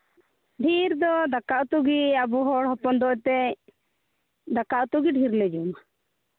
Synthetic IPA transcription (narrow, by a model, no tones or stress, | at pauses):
ɖʱiɾd̪ɔd̪akaʔut̪uɡiabuɦɔɽɦɔpɔnd̪ɔt̪ɛ | d̪akaʔt̪uɡiɖʱiɾlɛd͡ʒum